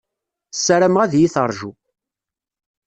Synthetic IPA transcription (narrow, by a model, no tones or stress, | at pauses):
sːæɾæmʁæðjiθəɾˤʒu